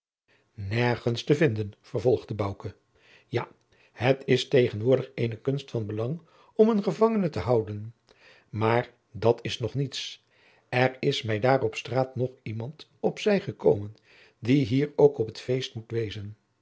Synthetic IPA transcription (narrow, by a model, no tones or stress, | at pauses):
nɛɹχənstəvɪndənv̥əɹvɔlˠχdəbɑwkə | ja̰ | hətʰɪstejχənʋʊːɹdəχejnəkɵnstfɑnbəlɑŋ | ɔmənχəvɑŋənətəɦɑwdən | maːɹ | dɑtɪsnɔχnits | ɛrɪsmɛjdaːrɔpstraːtnɔχimɑntɔpsɛjχəkowmən | diɦiːɹowkɔpɦətfejstmutʋejzən